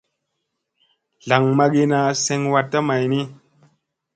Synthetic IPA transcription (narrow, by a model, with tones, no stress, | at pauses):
ɮa˨ŋma˦ɡi˦na˨se˦ŋwa˦tːa˦ma˨jni˦